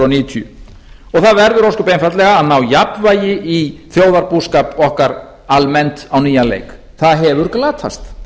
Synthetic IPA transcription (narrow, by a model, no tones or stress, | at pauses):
ɔniːʏt̪ʰjʏ | ɔɣθaðvɛɾðʏɾowskʏpejnfat̪lɛɣaːðnawjapvaːjɪiθjoːwðaɾpuskapɔhkaɾ | almɛnt̪awniːjalḛːjk | θaðɦɛvʏɾ̥klaːt̪ʰa̰st̪